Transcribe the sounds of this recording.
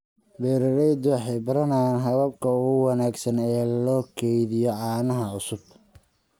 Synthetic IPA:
bɛːɾɐɾɛjd̪ɔwɑħɑjbɐɾɐnajaːnɦɐβɐb̚kʰɐʊɣʊwɑnaːɡsɐnɛːlɔːkʰɛjðɪjɔʕɑːnɐɦɐʊsʊb̚

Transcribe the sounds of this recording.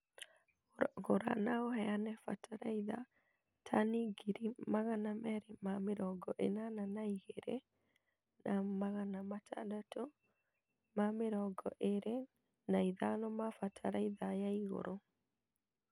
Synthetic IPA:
ɣoɾa̰naɔhɛanɛfa̰tʰaɾaiða̰ | tʰaniɡiɾimaɣanamɛɾemameɾɔɡɔʔenananaiheɾḛ | nʔamaɣanamatʰa̰dato | mameɾɔɡɔʔeɾe | naiðanɔmafatʰaɾaiðajaiɣo̰ɾo

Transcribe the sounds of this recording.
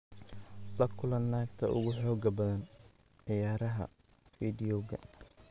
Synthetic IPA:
lɐkʰʊlɐnːaːk̚t̪ʰɐʔʊ̰ɣʊħɔːɡɐbɐðɐn | ʕɪjaːɾɐɦɐ̰ | fiːd̪ɪjɔɡɐ̰

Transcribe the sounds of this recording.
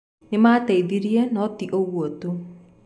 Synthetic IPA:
nɪmaːtɛiðiɾiɛnɔtiʔoɣwotu

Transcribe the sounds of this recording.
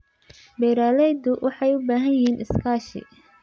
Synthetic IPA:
bɛjɾaːlɛjd̪ʊwʔɑħɑjʊbaːɦɐnjiːnʔɪskʰaːʃɪ̰

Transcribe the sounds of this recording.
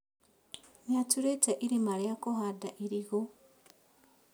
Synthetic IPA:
ɲatuɾetaʔiɾimaljakohadaʔiɾiɣo

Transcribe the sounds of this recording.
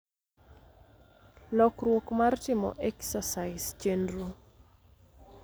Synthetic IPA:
lɔkrwokmartɪmɔ̰ʔɛksasaɪst͡ʃendru

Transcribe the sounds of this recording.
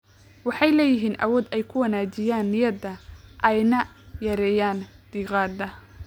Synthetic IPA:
wɑħɑjlɛːjɪɦiːnʔɐ̰wɔːd̪ɛjkʰʊwɐnaːt͡ʃɪjaːnːɪjɐd̪ɐʔɛjnɐjɐɾɛːjaːnd̪̥iːqɑːd̪ɐ

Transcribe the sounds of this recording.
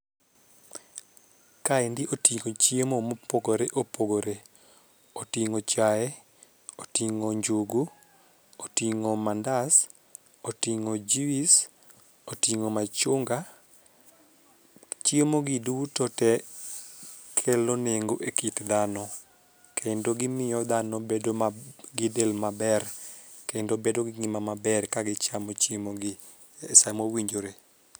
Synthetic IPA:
kaɛndɪʔotiŋot͡ʃjemomopoɡoɾeʔopoɡoɾe | otiŋot͡ʃaɛ | otiŋoɲd͡ʒuɡu | otiŋomandas | otiŋod͡ʒiwis | otiŋomat͡ʃʊŋɡa | t͡ʃiemoɡiduwutotɛ | kʰeloneŋɡoʔekitd̪anɔ | kʰendoɡɪmɪjɔd̪anɔbedoɡɪdelmabɛrkendobedoɡɪŋimamabɛrkaɡɪt͡ʃamɔt͡ʃiemoɡɪ | esamowiɲd͡ʒoɾe

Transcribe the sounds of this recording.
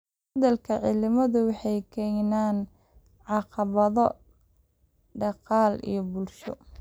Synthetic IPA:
hɐðɐlkʰɐʕɪlɪmɐðʊwɑħɑjkʰɛjnaːn | ʕɑqɑβɐðɔ | ɖɑqɑːlḭjɞbʊlʃɔ̰

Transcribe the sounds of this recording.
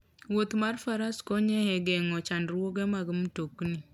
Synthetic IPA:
wot̪marfaɾaskoɲɛhɛɡɛŋɔt͡ʃandɾwoɡɛmaɡɪmtokni

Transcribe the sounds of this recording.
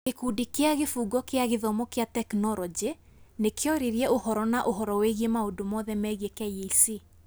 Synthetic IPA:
kekudikeaɣefuːɡɔkeaɣeðɔmɔkeatɛknɔɾɔd͡ʒe | nekeɔɾeɾiɛohɔɾɔnaʔoɦɔɾɔweɣiemaondomɔðɛmɛɣiekɛjeisi

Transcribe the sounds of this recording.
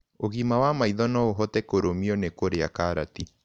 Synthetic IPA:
oɣimawamaiðɔnɔoɦɔtɛkoɾomiɔnekoɾeakaɾati

